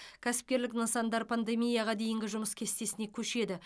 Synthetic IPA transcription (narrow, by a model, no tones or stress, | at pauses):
kʲʰæsɪ̥p̚kʲe̞ɾlɪknəsɑnd̪ɑɾpʰand̪e̞mʲijɑʁɑd̪e̞jɪŋɡʲɪʒʊməskʲʰe̞st̪e̞sɪne̞kʲʰɵʃe̞d̪ɪ